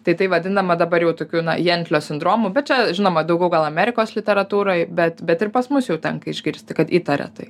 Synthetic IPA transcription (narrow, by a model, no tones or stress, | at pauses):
t̪ɐɪt̪ɐɪʋɐdʲɪnd̪ɐmɐd̪ɐbɐɾjɛʊt̪oːkʲuːnɐ̰jɛnʲt̪ʲlʲoːsʲɪnd̪ɾoːmubʲɛt̪̚t͡ʃʲɛʒʲɪnoːmɐd̪ɐʊɡʲɛʊɡɐlˠɐmʲæːɾʲɪkoːslʲɪt̪ʲɛɾɐt̪uːɾojbʲɛt̪bʲɛt̪ɪɾpɐsmʊsjɛʊt̪ʲɛŋkɐɪʒʲɡʲɪɾʲsʲt̪ʲɪkɐt̪iːt̪ɐɾʲɛ̰t̪ɐɪ